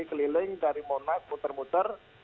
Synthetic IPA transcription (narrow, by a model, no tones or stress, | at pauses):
ikəlilɪŋdaɾimonak̚mut̪ərmut̪ər